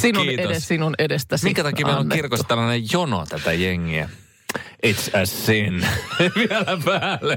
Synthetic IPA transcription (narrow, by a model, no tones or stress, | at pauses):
sinuinːteessinunedest̪æsmiŋkæt̪ɑkimeilõnːkirkost̪ælːɑnejjono̰t̪æt̪æjeŋːiæ̰ | it̪sæsinʋiɛlæpæːlːe